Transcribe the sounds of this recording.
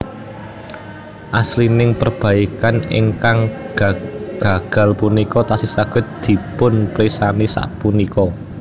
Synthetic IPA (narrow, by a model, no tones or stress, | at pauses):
ʔaslinɪŋpərb̥a̤ikanɪ̰ŋkaŋɡ̥ɡ̥a̤ɡ̥a̤lpunikɔt̪asisaɡ̥ə̤t̪̚d̪̥i̤pʊnpɾisanisa̰ʔpunikɔ